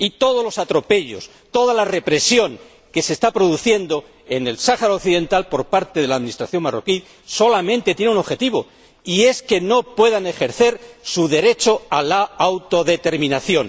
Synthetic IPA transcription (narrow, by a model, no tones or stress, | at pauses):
it̪o̞ð̞olo̞sat̪ɾo̞pe̞ʎo̞̰s | t̪o̞ðalare̞pɾe̞sjo̞ŋ | ke̞sest̪apɾo̞ðuθje̞nd̪o̞ | e̞ne̞lsaxaɾaokθiðe̞nt̪alpo̞ɾpaɾt̪eðe̞laːðminist̪ɾaθjo̞ŋmaro̞̰ki | so̞lamẽ̞nt̪e̞t̪je̞neuno̞βxe̞t̪iβo̞̰ | ie̞ske̞no̞pwe̞ðane̞xe̞ɾθe̞ɾsuðe̞ɾe̞t͡ʃo̞alaawt̪o̞ðe̞t̪e̞ɾmĩnaθjo̞n